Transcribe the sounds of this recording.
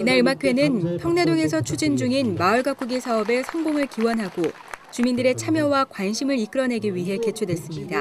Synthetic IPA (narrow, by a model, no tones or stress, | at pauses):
inaɾɯmakʰwe̞nɯnpʰjʌŋne̞doŋe̞sʰʌt͡ɕʰud͡ʑind͡ʑuŋinmaɯɭɡak͈uɡisʰaʌbe̞sʰʌŋboŋɯɭkiwʌnɦaɡo | t͡ɕumindɯɾe̞t͡ɕʰamjʌwakwanɕʰimɯɾik͈ɯɾʌne̞ɡiɥiɦe̞ke̞t͡ɕʰudwe̞s͈ɯmɲida